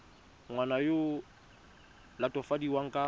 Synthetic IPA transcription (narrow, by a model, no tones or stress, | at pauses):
ŋwanajo | latʼɔfadiwaŋ̩kʼa